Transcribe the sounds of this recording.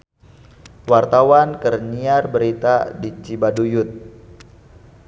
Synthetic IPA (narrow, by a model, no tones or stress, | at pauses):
wart̪awankərniarbəɾit̪adit͡ʃibadujʊt̪̚